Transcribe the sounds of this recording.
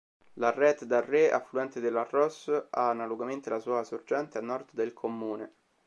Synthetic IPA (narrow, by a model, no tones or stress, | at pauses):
larɛt̪d̪arːea̰fluɛnt̪ed̪elːarːɔsaːnːaloɡament̪elasuːasord͡ʒɛnt̪eanːɔrd̪d̪elkʰomːuːne